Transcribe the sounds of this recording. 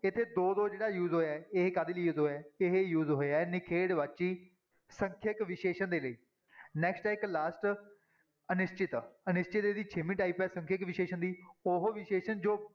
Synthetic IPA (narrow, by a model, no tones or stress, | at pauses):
ɪt̪ʰːeːd̪oːd̪oːd͡ʒeːɽaːjuːzɦoːjaːɛɪɦekaːd̪eliːjuːzɦoːjaːɪɦejuːzɦoːeaːɛnɪkʰeːɽʋat͡ʃiː | sə̃ŋkʰəkʋɪʃeːʃənd̪eːləiː | nɛːksʈɛːɪklaːsʈ | ənɪst͡ʃɪt̪ənɪst͡ʃɪt̪ed̪iːt͡ʃʰemĩːʈaːiːpɛːsəŋkʰəkʋɪʃeːʃənd̪iːoɦʋɪʃeːʃənd͡ʒoː